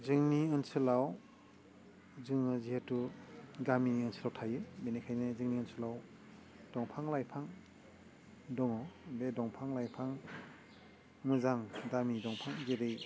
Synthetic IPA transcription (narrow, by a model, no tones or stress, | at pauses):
zɯŋniɯnsɯlaw | zɯŋɯzihetuɡamiɯnsʰɯlawtʰajɯbenekʰajnɯzɯŋniɯnsɯlaw | d̥ɔŋpʰaŋlajpʰaŋ | dɔŋɔbedɔŋpʰaŋlajpʰaŋ | mɯzaŋdamidɔŋpʰaŋɡeɾej